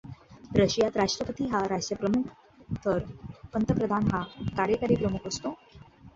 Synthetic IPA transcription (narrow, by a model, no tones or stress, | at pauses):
ɾəɕjat̪ɾaʂʈɾəpət̪iːɦaɾaʂʈjəpɾəmukʰ | t̪ʰəɾpənt̪əpɾəd̪ʱanɦakaɾjəkaɾiːpɾəmukʰəst̪o